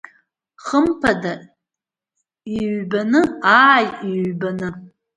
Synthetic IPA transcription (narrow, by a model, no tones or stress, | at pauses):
χəmpʰada | iɥbanɨaːjiɥbanɨ